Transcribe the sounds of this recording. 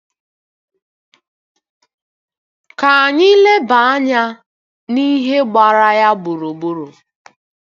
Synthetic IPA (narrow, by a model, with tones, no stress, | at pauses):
ka˨a˨ɲɪ˦le˦ba˨a˦ɲa˦ | ni˦ɦe˦ɡ͡ba˨ɾa˦ja˦bʊ˨ɾo˨bu˦ɾo˨